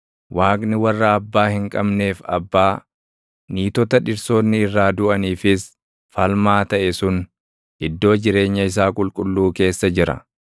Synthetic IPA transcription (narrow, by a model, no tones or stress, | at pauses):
wʔaːkʼnɪwɐrːɐːbːaːhɪŋkʼɐbne̞ːfɐ̰bːaː | niːt̪ɔt̪ɐᶑɪɾso̞ːnːɪːrːaːd̪ʊʔɐniːfɪs | fɐlmaːt̪ɐʔɛsʊn | ʔɪd̪ːo̞ːd͡ʒɪɾe̞ːɲːɐɪs̬aːkʼʊlkʼʊlːuːke̞ːsːɐd͡ʒɪɾɐ̰